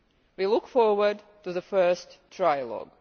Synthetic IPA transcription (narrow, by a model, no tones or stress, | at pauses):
wilʊkfɔɹwə˞d | tuðəfɜ˞stʰɹaɪəlɔ̰ɡ